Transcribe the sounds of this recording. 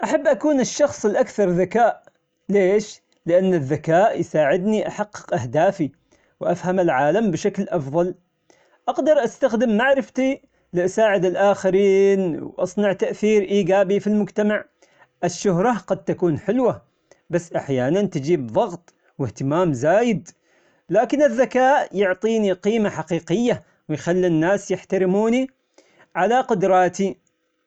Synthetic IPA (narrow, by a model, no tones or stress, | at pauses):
ʔaħabːʔakuːnɪʃːɑxsˤɪlʔakθɑɾˤðakaːʔ | leːʃ | lɪʔanːɪðːakaːʔjsaːʕɪd̪niʔaħɑqːɨ̥qʔahd̪aːfi | wʔafhamalʕaːlambɪʃaklʔɑfðˤɑl | ʔɑɡd̪ɑɾˤʔast̪axd̪ɪmːaʕɾɪft̪i | lɪʔasaːʕɪd̪ɪlʔaːxaɾiːnwʔɑsˤnɑʕt̪aʔθiːɾʔiːɡaːbifilmʊd͡ʒt̪amaʕ | ʔɪʃːʊɦɾˤɑɡɑd̪̚t̪akuːnħɪlwa | basːʔaħjaːnant̪ɪd͡ʒiːbðˤɑɣt̪ˤ | wɪht̪ɪmaːmzaːjɪd̪ | laːkɪnɪðːakaːʔjʊʕt̪ˤiːniqiːmaħaqiːqɪjːa | wɪjxalːinːaːsjɪħt̪aɾɪmuːni | ʕalaqʊd̪ɾˤɑːt̪i